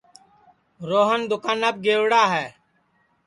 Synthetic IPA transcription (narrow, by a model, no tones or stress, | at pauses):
ɾoːɦənd̪ʊkaːnəb̚ɡeːʋɽaːɦɛː